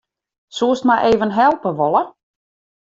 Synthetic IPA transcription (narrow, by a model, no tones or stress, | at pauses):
suəstmajʔeːvənɦɛlˠpəʋolˠə